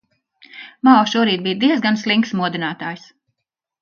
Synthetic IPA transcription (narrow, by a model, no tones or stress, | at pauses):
mawʃuɔɾiːt̪̚bijd̪iɛzɡanslˠiŋksmuɔd̪inaːt̪aːjs